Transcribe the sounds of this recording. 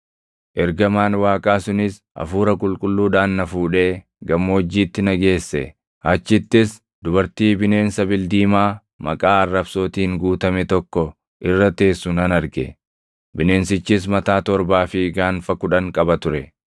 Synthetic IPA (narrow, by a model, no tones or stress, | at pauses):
ʔɛɾɡɐmaːnwaːkʼaːsʊnɪs | ʔɐ̰fuːɾɐkʼʊlkʼʊlːuːᶑaːnːɐfuːᶑe̞ː | ɡɐmːoːd͡ʒːiːt̪ːɪnɐɡe̞ːsːɛ̰ | ɐt͡ʃːɪt̪ːɪs | d̪ʊbɐɾt̪iːbɪne̞ːnsɐbɪld̪iːmaː | mɐ̰kʼaːɐrːɐbso̞ːt̪iːŋɡuːt̪ɐmɛt̪ɔkːɔ | ʔɪrːɐt̪e̞ːsːʊnɐnɐɾɡɛ̰ | bɪne̞ːnsɪt͡ʃːɪs̬mɐt̪aːt̪ɔɾbaːfɪɡaːnfɐkʊᶑɐŋkʼɐbɐt̪ʊɾɛ